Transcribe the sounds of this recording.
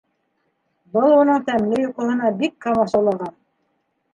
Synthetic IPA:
bɤlˠunɤɴt̪æmlɘjuqɤ̆ɦɤ̆nɑbikːɑmɑʃɑlˠɑʁɑn

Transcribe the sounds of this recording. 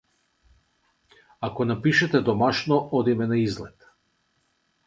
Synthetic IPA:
akɔnapiʃɛt̪ɛd̪ɔmaʃnɔʔɔd̪imɛnaizlɛt̪

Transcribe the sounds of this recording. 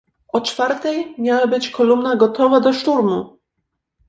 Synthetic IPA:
ɔt͡ʂfaɾt̪ɛjmʲjawabɘt͡ɕkʰɔlumnaɡɔt̪ɔvad̪ɔʂt̪uɾmu

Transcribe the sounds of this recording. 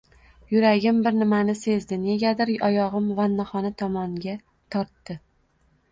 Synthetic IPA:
jʊɾaɡʲɪmbɪɾnɪmanɪse̞zd̪ɪne̞ɡʲad̪ɪɾɒjɒʁɨmvanːaχɒnat̪ʰɒmɒŋɡʲa | t̪ʰɒɾt̪ːɪ

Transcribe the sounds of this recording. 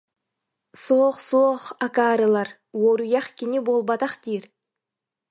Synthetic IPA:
soqsoːχakaɾəlˠɑɾ | woɾujɑχkʲinibolˠbɑt̪ɑχt̪ijeɾ

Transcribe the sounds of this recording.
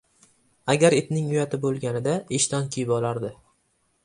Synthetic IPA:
aɡʲaɾet̪nɪŋʊjat̪ʰɪbolˠɡʲanɪd̪aeʃt̪ɒnkʲʰijɪbɒlˠaɾd̪ɪ

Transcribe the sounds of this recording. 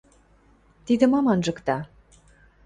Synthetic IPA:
t̪id̪ə̆mɑmɑnʒɤkt̪ɑ

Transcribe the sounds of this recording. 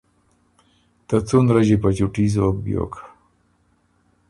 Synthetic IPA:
t̪at͡sunɾaʑepat͡ɕuʈizok̚bjo̰k

